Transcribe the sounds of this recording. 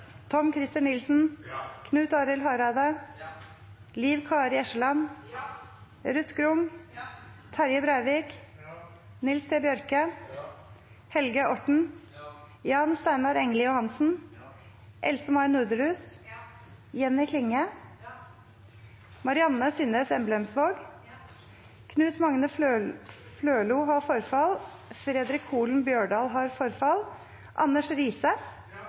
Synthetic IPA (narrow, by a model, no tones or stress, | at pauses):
t̪ʰɔmkʰɾɪst̪ɪnɪlsn̩kʰnʉːt̪ɑːɾəlhɑːɾɑːd̪ə | liːʋkʰɑːɾɪːɛʃəlɑn | ɾʉt̪ɡɾʊm | t̪ʰɑɾjəbɾœʏʋiːk | nɪlst̪ʰeːbjœɾkə | hɛlɡəʔɔʈɳ̩ | jɑːnst̪æɪnɑɾɛŋlɪjʊhɑnsn̩ | ʔɛ̰lsəmɑɪnʉːd̪əɾʉːs | jɛnːɪkʰlɪŋə | mɑɾɪɑnəsiːnəsɛmblɛɛmsʋoːɡ | kʰnʉːt̪mɑŋnə | fløːluːɦɑfɔɾfɑl | fɾɛd̪ɾɪkʰhuːlnbjøːɖɑːlɦɑɾfɔɾfɑl | ʔɑ̰nːəʂɾiːsə